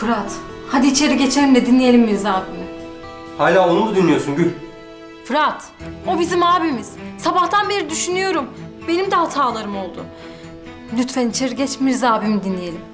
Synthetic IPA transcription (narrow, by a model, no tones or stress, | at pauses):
fɯɾat̪ | had̪it͡ʃʰe̞ɾiɟet͡ʃʰelʲimd̪ɛd̪inlʲijelʲimːiɾzaːbimɪ | haːlʲaːonud̪ad̪inlʲːijosunɟylʲ | fɯɾat̪ | o̞bizimaːbimiz̥sabaht̪ʰanbeɾid̪yʃynyjo̞ɾum | be̞nimd̪ɛɦat̪ʰaːlˠaɾɯmo̞lˠd̪ʊ̰ | lʲyt̪fɛnit͡ʃʰeɾiɟɛt͡ʃmiɾzaːbimid̪inlːʲijelʲim